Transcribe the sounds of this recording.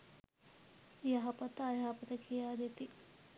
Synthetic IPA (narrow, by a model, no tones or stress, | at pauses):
jaɦɐpət̪əːjaɦɐpət̪əkʰijaːd̪et̪i